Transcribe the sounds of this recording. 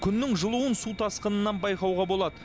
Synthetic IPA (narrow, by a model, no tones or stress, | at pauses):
kʲʰʏnːɪŋʒəlˠuwənsut̪ʰɑsqənənːɑnbɑjqɑwʁɑbo̞lˠɑd̪ə